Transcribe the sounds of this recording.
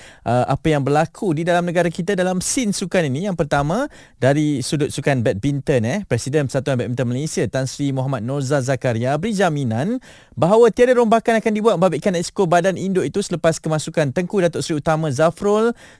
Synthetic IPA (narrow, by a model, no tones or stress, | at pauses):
ʔəʔa̰pəjaŋbərlakʰudidalamnə̃ɡaɾakit̪adalamsinsukaninĩjaŋpərt̪amã | daɾisudʊt̪̚sukanbɛt̪̚bint̪ənɛpɾɛsidɛnpəsat̪uanbɛt̪̚mɛnt̪əmalesiat̪ansɾimɔɦamat̪̚nozazakaɾiabəɾid͡ʒaminan | baɦawat̪iadaɾombakanakandibuat̪̚məbabiʔkanɛskobadanindoʔit̪usələpaskəmãsukant̪əŋkudat̪ʊʔsɾiut̪amãzafɾol